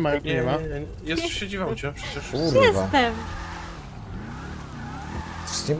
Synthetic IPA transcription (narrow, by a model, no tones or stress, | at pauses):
maɲɛmaɲɛɛjɛsɕed͡ʑivawt͡ɕɛpʂɛt͡ɕɛʂuɾɛsvat̪ɛm | sim